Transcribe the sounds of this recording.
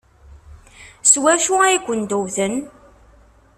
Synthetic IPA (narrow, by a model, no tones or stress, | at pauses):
swæʃuæjkʷːənd̪uwθən